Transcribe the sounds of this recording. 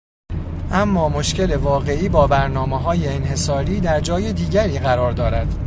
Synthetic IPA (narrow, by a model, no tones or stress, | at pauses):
ʔæmːɒːmo̞ʃcele̞vɒːɣe̞ʔiːbɒːbæɾnɒːmeɦɒːjeːnhe̞sɒːɾiːd̪æɾd͡ʒɒːjed̪iːɟæɾiːɣæɾɒːɾd̪ɒːɾæd̪̥